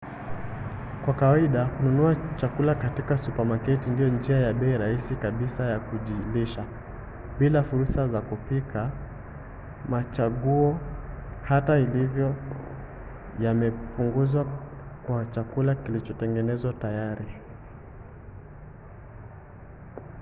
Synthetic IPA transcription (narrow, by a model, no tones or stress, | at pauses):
kwakawaiɗakununuat͡ʃakulakatikasupamakɛtindijɔnd͡ʒiajaɓɛiɾaisikaɓisajakuʄiliʃa | ɓilafuɾusazakupikʰa | mat͡ʃaɠuɔ | hatailivjɔ | jamɛpuŋɡuzwakwat͡ʃakulakilit͡ʃɔtɛŋɡɛnɛzwatajaɾi